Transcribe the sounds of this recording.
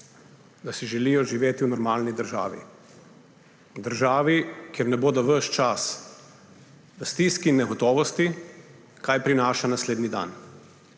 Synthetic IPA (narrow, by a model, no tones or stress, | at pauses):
d̪asiʒɛlijɔʒiʋeːt̪iwnɔɾmaːlnid̪əɾʒa̰ːʋḭ | d̪əɾʒaːʋikjɛɾnɛboːd̪ɔʋəʃt͡ʃas | ʋɐst̪iːskiːnːɛɡɔt̪ɔːʋɔst̪i | kaːjpɾinaːʃanasleːd̪nid̪a̰n